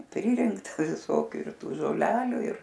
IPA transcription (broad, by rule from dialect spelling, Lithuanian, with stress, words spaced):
ˈpʲrʲɪrʲɪŋktɐ ʋʲɪˈsoːkʲuː ɪr ˈtuː ʒoːˈlʲæːlʲuː ɪr